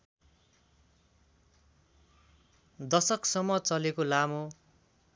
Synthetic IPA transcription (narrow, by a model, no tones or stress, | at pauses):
d̪ʌsʌksʌmːʌt͡sʌlekolamo